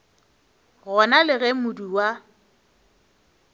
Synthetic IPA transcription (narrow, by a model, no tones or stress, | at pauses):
ɣɔnalɪɣɛmʊduwa